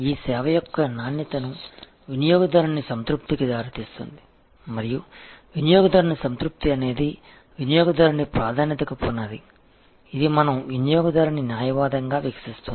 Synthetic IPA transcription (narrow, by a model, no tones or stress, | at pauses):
iːsɛːʋɐjɔkːɐnaːnjɐt̪ɐnu | ʋinijɔːɡɐd̪ɐɾɐnisɐnt̪ɾup̚t̪ikid̪aːɾut̪iːst̪ṵnd̪i | mɐɾijuʋinjɔːɡɐd̪ɐɾɐɳisɐnt̪ɾup̚t̪iɐne̞ːd̪i | ʋinjɔːɡɐd̪ɐɾɐnipɾaːd̪ʱaːnjɐt̪ɐkɐpoːnaːd̪ḭ | id̪imɐnɐmʋinijɔːɡɐd̪ɐɾɐninjaːjɐʋaːd̪ɐŋɡaːʋjɐkɐ̥sist̪uni